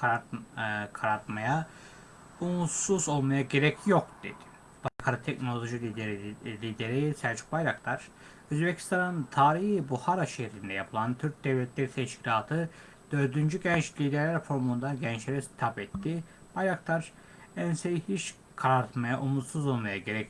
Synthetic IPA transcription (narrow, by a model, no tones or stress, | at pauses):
kʰaɾaɾt̪maja | umut̪suzo̞lˠmajaɟe̞ɾɛcʰjo̞kd̪̥ḛd̪̥i̥ | bakʰaɾɯt̪ʰɛcno̞lʲˠo̞ʒiɾlʲid̪e̞ɾisæɾd͡ʒy̥bajɾakt̪ʰaɾ̥ | øzbecʰi̥st̪ʰanɯnt̪ʰaːɾihibuhaɾaʃehɾind̪ɛjapʰɯlˠant̪ʰyɾc̚d̪ɛvlʲɛt̪ʰlʲeɾit̪ʰɛʃcʲʰilaːt̪ʰɯ | d̪̥ø̞ɾd̪ynd͡ʒyɟɛnt͡ʃlʲiːd̪eɾlʲæɾfo̞ɾmund̪aɟɛnt͡ʃlʲeɾisit̪ʰapɛt̪ʰːi | bajɾakt̪ʰaɾ̥ | ænsejihiʃ | kʰaɾaɾt̪majaʔumut̪suzo̞lˠmajaɟe̞ɾɛc